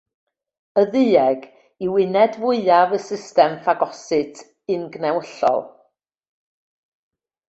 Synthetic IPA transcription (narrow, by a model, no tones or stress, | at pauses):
əðɨːɛɡ | iwɪnɛdvʊɨavəsɪstɛmfaɡɔsɨtʰ | ɨnɡnɛwəɬɔ̰lˠ